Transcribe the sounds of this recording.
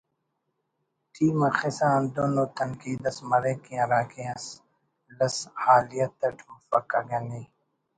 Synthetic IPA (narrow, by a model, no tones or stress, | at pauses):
ʈʰiːmɐxɪsaːnd̪oːnoːt̪ɐŋkiːd̪ɐsmɐɾeːkĩɐ̃ɾaːkeɐ̃s | lɐshaːlijɐt̪ɐʈʰmɐfɐkɐɡɐniː